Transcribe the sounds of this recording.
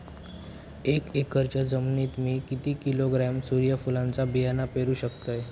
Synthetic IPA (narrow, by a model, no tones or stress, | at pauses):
ekekːəɾt͡ɕad͡zəmnit̪miːkit̪iːkiloɡɾamsuɾjəfulãnt͡sabijanapeɾuːɕəkt̪əj